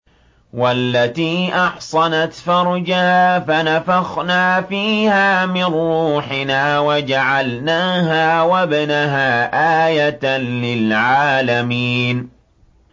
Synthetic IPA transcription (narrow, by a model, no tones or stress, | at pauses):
walːat̪iːʔɑħsˤɑnat̪fɑɾˤd͡ʒahaːfanafɑxnaːfiːhaːmɪnːuːħɪnaːwad͡ʒaʕalnaːɦaːwabnaɦaːʔaːjat̪nlɪlʕaːlamiːn